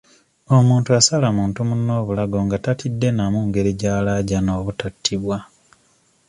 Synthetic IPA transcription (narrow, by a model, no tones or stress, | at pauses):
o̞muːntuasalamuːntumunːo̞ːβulaɡo̞ŋɡatatidːe̞namuŋɡe̞ɾiɟaːlaːɟano̞ːβutatʰːiβwa